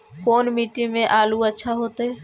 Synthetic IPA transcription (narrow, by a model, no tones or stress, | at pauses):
koːnmiːʈimẽʔaːluətːʃʰaɦoːt̪ɦɛː